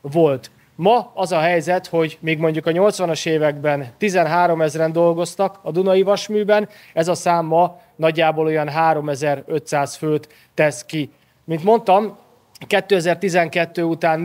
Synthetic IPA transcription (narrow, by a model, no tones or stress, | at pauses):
vo̞lt̪ | mɒɒzɒɦɛjzɛt̪ho̞ɟmiːɡmo̞ɲɟukɒɲo̞lt̪sʋɒnɒʃeːvɛɡbɛnt̪izɛnɦaːɾo̞mɛzrɛnd̪o̞lɡo̞st̪ɒkɒd̪unɒjivɒʃmyːbɛn | ɛzɒsaːmːɒ | nɒɟːaːbolo̞jɒnɦaːɾo̞mɛzɛɾø̞t̪saːsfølt̪ː | ɛski | mint̪mo̞nt̪ɒm | kɛt̪ːøːɛzɛrt̪izɛŋkɛt̪ːøːut̪aːn